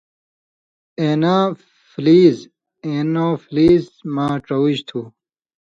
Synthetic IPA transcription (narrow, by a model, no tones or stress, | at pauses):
eːnaː | fliːz | eːnoːfliːzmaːʈ͡ʂowiɕt̪ʰuː